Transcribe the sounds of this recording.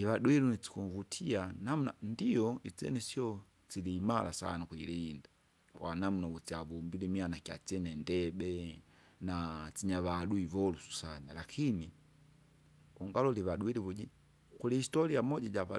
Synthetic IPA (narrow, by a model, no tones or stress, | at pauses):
iβaɗuilunit͡si̥kuvutʰianamunandijɔit͡sɛ̰nɛsiɔ | t͡silimala̰sa̰nakwilinda | kwanamunaut͡siaβumbilimianakiat͡ʃɛnɛndɛbɛ | nat͡siɲaβaduivɔlusu̥sanalakʰini | uŋɡalɔliβaɗuiliβuɟi | kulihistɔlijamɔɟaɟaβa